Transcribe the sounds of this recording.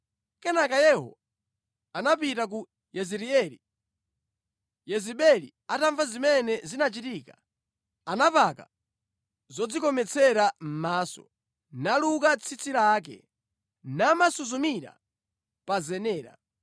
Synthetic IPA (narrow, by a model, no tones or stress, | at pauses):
kɛnakajɛhɔ̰ | anapitak̬u | jɛziɾiɛɾḭ | jɛziɓɛlḭ | ataɱvazimɛnɛzinat͡ʃitiːka | anapaka̰ | zɔd͡zikɔmɛt͡sʰɛɾam̩maːsɔ̰ | naluk̬at͡sʰit͡sʰiɾak̬ɛ̰ | namasuzumiɾa̰ | pazɛnɛːɾa̰